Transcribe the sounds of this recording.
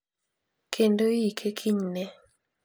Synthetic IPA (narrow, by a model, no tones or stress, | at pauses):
kʰendoikʰekʰiɲnɛ